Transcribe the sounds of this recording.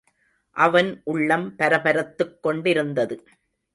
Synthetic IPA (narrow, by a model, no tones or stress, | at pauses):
ʔɐʋɐnʔʊɭːɐmpɐɾɐpɐɾɐt̪ːɯkːɔɳɖɪɾɯnd̪ɐðɯ